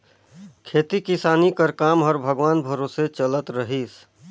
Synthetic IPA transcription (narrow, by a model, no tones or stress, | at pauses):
kʰet̪ikisaːnikəɾkamɔɾbʱəɡʋaːnbʱəɾoset͡ʃələt̪ɾəɦis